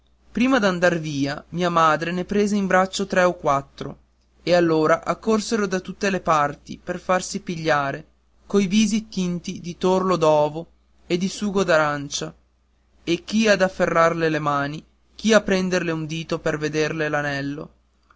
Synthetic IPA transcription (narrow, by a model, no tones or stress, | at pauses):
pɾiːmad̪and̪arviːamiːamaːd̪ɾenepɾeːzeimbɾat͡ʃːot̪ɾɛokːwat̪ːɾo̰ | ealːoːɾaʔakːorseɾod̪at̪ut̪ːelepart̪ḭperfarsipiʎːaːɾe | kojviːzit̪int̪id̪it̪orlod̪ɔːvo | ed̪isuːɡod̪aɾant͡ʃa | ek̟ːiad̪afːerːarlelemaːni | k̟iapːɾɛnd̪erleund̪iːt̪operved̪erlelanɛlːo̰